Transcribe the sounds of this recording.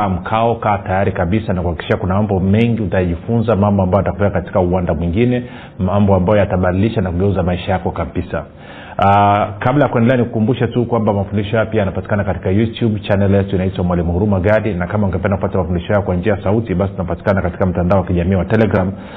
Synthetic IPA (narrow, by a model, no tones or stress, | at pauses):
am̩kʰaɔkaːtajaɾikaɓisanakuhakikiʃiʃakunamambɔmɛŋɡiutajaʄifunzamambɔambajatakuvɛkakati̥kauwandamwiŋɡinɛ | mambɔambajɔjataɓadiliʃanakuɡɛuzamaiʃajakɔkapisa̰ | kablajakwɛndɛlɛanikukumbuʃatukwambamafundiʃɔjajɔpiajanapati̥kanakati̥kajutjubt͡ʃanɛljɛtuinaitwamwalimuhuɾumaɡaɗinakamauŋɡɛpɛndakupatamafundiʃɔhajɔkwand͡ʒiajasautiɓasitunapati̥kanakati̥kam̩tandaɔwakiʄamiːwatɛlɛɡɾam